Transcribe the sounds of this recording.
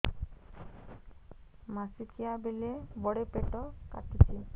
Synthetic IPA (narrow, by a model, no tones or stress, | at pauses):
masikʰiabelebɔɽepeʈɔka̰ʈit͡ʃʰi